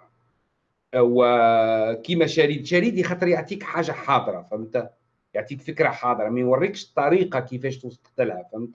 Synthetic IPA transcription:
w | kimæʃæɾiːd̪ʃæɾid̪ixɑt̪ˤəɾjaʕt̪ˤikħaːʒaħɑd̪ˤəɾˤɑfæmt̪æ | jaʕt̪ˤiːkfəkɾaħɑːd̪ˤəɾˤɑmæjwɑrˤːikʃt̪ˤːɑɾiqɑkəfæʃt̪wsˤqt̪əlhæfæmt̪æ

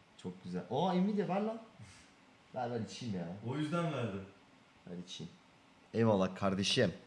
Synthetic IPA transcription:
t͡ʃʰok̚ɟyzælʲoaimid̪ievaɾlˠa | bæɾbalʲit͡ʃʰimjaojyzd̪ænvæɾd̪ɪ | a̰lʲit͡ʃʰim | ealˠakʰaɾd̪eʃɛm

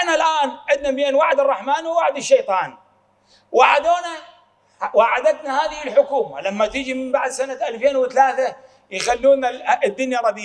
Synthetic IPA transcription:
nalʔaːnʔɪd̪nabjenwaʕd̪ɨrˤːɑħmaːnwɪwaʕd̪ɪʃːejt̪ˤɑːn | waʕad̪oːna | waʕad̪at̪nahaːðɪhɪlħʊkuːma̰lamːat̪ɪd͡ʒimɪmbaʕd̪sanat̪ʔalfeːnwɪθalaːθa | jxalːuːnad̪ːʊnjarˤɑd̪ɪj

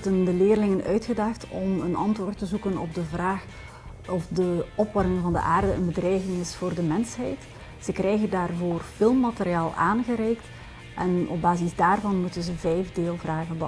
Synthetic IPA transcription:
dəndəleːrlɪŋənʔœɥtxədɑxtɔmənʔɑntʋoːrtəzukənɔbdəvraːx | ɔfdəɔpʋɑɾɪŋvɑndə̰ʔaːrdəənbədrɛjɣɪŋɪsfoːrdəmɛnsɦɛjt | z̥əkrɛjɣəndaːrvoːrfɪlˠmmːateɾiaːlˠaːnɣəɾɛjkt | ʔɛnɔb̚baːzizdaːrvɑnmutənzəvɛjvdeːlˠvraːɣənbə

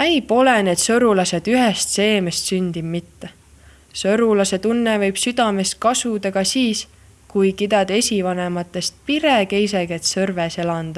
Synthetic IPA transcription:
æjpo̞lene̞d̪̥sɤɾulɑse̞d̪yɦest̪se̞ːme̞st̪synʲd̪̥ibmit̪ːe | sɤɾulɑse̞t̪unːevɤ̞jb̥syd̪̥ɑme̞st̪̚kɑsud̪ɑɡ̥ɑsiːs | kujkid̪ɑd̪̥e̞sʲivɑne̞mɑt̪ːˑe̞st̪̚piɾeke̞js̬eɡe̞t̪sɤrvese̞lɑnd̪̥ɑ

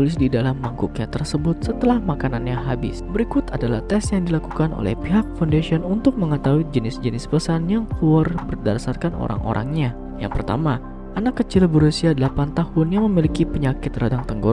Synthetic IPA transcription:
ulɪs̬didalamlaŋkuk̚ɲat̪ərsəbʊt̪̚sət̪əlahmakananɲaɦabɪ̰sbəɾikʊt̪adala̰ht̪ɛsjaŋdilakukanʔo̰lɛ̰hpiɦak̚fandasiɔnunt̪ʊk̚məŋət̪awid͡ʒənɪsd͡ʒənɪspəsanjaŋkluarbərdasarkanʔo̰ɾa̰ŋʔo̰ɾʔa̰ŋɲa | ja̰ŋpərt̪a̰ma | ʔanakːət͡ʃɪlbəɾusiadəlapant̪ahʊnjaŋməmilikipəɲakɪt̪radaŋt̪əŋɡo

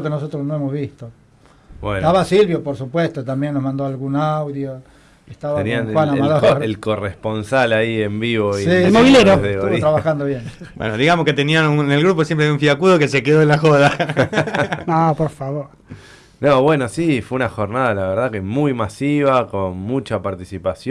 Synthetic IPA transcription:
kenosot̪ɾosnoemozβist̪o | bwḛnt̪aβasilβjopoɾsupwest̪ot̪ambjenːozmãnd̪oalɣunawðjo | eht̪aβaenianwanamad̪oɾelko̞responsalaiembiβoielmoβileɾoðeot̪ɾaβaxand̪oβjenbwḛnoðiɣamosket̪eniaunenelɣɾup̬os̬jempɾejuɱfiakuðokese̞keðo̞elaxoða | nopoɾfaβoɾ | noβwenosifweunaxo̞ɾnaðalaβeɾð̞akemujmasiβ̞akonmut͡ʃapaɾt̪isipasjo

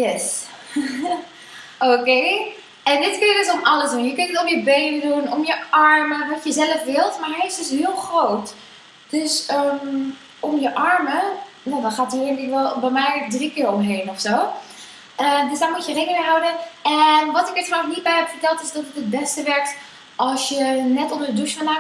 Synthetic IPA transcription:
jɛs | oːkeː | ɛndɪtkønjədøsomɑləsdunjəkøntətomjəbeːnədunɔmjəɑɹməʋɔtjəzɛləfʋɪlˠtmaɹɦɛɪsdøshiəlˠxroːt | d̥øsəm | omjəʔɑɹmə | jɛdɔxaːtiɪnlɪkʋɔlˠbɛjmɛjk̚drikɪːɹɔmɦeːnɔfsoː | ədøsdaɹmutjəreːɡənəɦawdəɛnʋɔtɪkətfɔxnit̚bɛjɦɛpfəɹtɛlˠtɪsdɔtətət̚bɛstəʋɛɹk̚t | ʔɔlˠsjənɛtomdəduʃfana

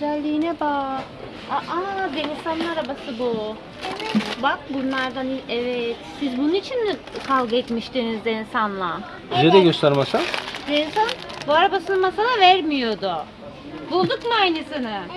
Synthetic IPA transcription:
ɡyzælʲːiːnɛba | aʔad̪eninsanlˠaɾabasɯbu | bak̚bunlˠaɾd̪aniɛvɛt̪sizbununit͡ʃʰinɛkʰalˠɡɯɛt̪miʃd̪enizd̪ensanlˠa | dyzɛd̪ɛɟøst̪ʰæɾmasand̪ensanbuaɾabasɯnɯmasalˠavæɾmijo̞d̪ʊ | bulˠd̪ukmajnesinɪ

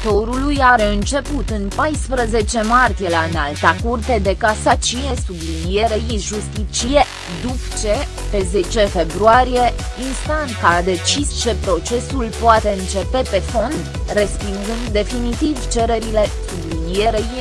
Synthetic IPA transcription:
t̪o̞ɾulujaɾe̞ɨnt͡ʃe̞put̪ɨnpajspɾəze̞t͡ʃe̞mart̪ije̞laɨnalt̪akurt̪e̞d̪e̞kasat͡ʃije̞sublinije̞ɾeiʒust̪it͡ʃije̞ | d̪upt͡ʃe̞ | pe̞ze̞t͡ʃe̞fe̞bɾuaɾije̞inst̪ant̪sad̪e̞t͡ʃist͡ʃe̞pɾo̞t͡ʃe̞sulpoat̪e̞ɨnt͡ʃe̞pe̞pe̞fo̞nd̪ | re̞spinzɨnd̪ːe̞finit̪ivt͡ʃe̞ɾe̞ɾile̞sublinije̞ɾei

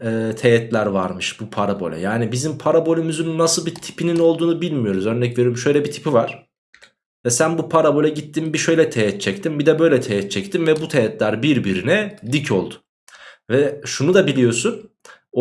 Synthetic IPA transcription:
ɛːt̪ʰejɛt̪lʲæɾva̰ɾmɯʃbupʰaɾabo̞̰lʲɛ̰jaːnibizimpʰaɾabolʲymyzynːasɯlˠbit̪ʰi̥pinino̞lˠd̪uːnubilʲmijo̞ɾuzøɾnɛcve̞ɾeɾmʃø̞jlʲɛbit̪ʰi̥pʰivaɾ̥ | vɛsænbupʰaɾabo̞lʲɛɟit̪ʰːimbiʃø̞jlʲɛt̪ʰejɛt̪̚t͡ʃʰɛct̪ʰimbid̪ɛbø̞jlʲɛt̪ʰejɛt̪̚t͡ʃʰɛct̪ʰimvɛbut̪ʰejɛt̪lʲæɾbiɾbiɾinɛd̪icʰo̞̰lˠd̪ʊ̥ | vɛʃunud̪abilʲijo̞sun

